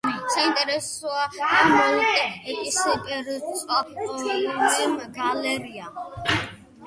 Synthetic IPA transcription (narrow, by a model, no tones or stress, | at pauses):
isaint̪ʼɛɾɛsuaamalik̪ʼɛɛkʼisɛbɛɾisʼa | ɛmɡalɛɾia